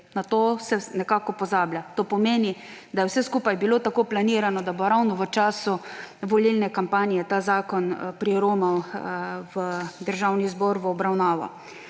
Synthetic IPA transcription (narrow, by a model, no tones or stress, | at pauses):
nat̪oːsɛnɛkaːkɔpɔzaːblʲjat̪oːpɔmeːni | d̪ajɛwsɛskuːpajbiloːt̪akoːplaniːɾanɔd̪aboɾawnɔʋət͡ʃaːsuʋɔlilnɛkampaːnijɛt̪aːzaːkɔnpɾiɾoːmaw | ʋəd̪əɾʒawnizbɔɾʋəːbɾawnaːʋa̰w